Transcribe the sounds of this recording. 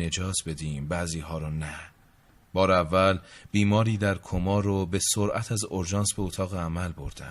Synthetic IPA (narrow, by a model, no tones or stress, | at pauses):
e̞d͡ʒɒːt̪ʰbe̞d̪iːmbæːziːɦɒːɾɔnæ | b̥ɒːɾævːælb̥iːmɒːɾiːd̪æɾkʰomɒːɾobe̞soɾʔæt̪ʰæzoɾd͡ʒɒːnsbe̞ot̪ʰɒːɣeæmælboɾd̪æ̰